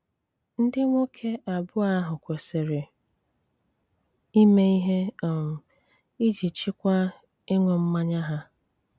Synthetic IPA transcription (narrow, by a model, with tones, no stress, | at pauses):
n̩˦dɪ˦ŋʷo˦kʰe˦a˨bʊ˦a˦ɦʊ˨kʷe˨se˨ɾɪ˨ | i˦me˦i˦ɦe˦o˨m̩˨ | i˦d͡ʒi˨t͡ʃi˦kʷa˦ | ɪ˦ŋʷe˨m̩˦ma˦ɲa˦ɦa˦